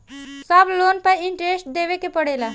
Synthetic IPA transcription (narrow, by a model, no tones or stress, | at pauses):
sɐbloːnpɐɪɳʈɾesʈ̚d̪eːʋekepəɽeːlaː